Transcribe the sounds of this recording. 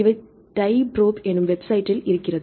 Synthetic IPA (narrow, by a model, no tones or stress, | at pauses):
iʋɐ | ʈɐjbroːbenːumʋe̞bsɐjtːiliɾikʲːiɾɐð